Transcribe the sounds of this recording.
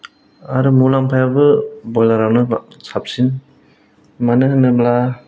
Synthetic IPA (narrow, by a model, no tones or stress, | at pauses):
aɾɯmulampʰajabɯbɔjlaɾawnɯsʰap̚sin | manɯhɯnɯbla